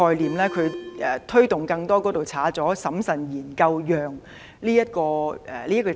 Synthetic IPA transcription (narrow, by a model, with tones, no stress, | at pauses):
ɔː˧jliː˨mlɛː˥kʰɵ˨˧ɥɛː˨˩t̪ʰɵ˥ɥt̪ʊ˨ŋkɐ˧ŋt̪ɔː˥kɔː˨˥t̪o˨˩wt͡sʰaː˨˥t͡sɔː˨˥sɐ˨˥msɐ˨˩njiː˨˩nkɐ˧wjœː˨˩ŋ | liː˥jɐ˥t̚kɔː˧ɛ̰ː˨liː˥ɐ˥tkɔː˧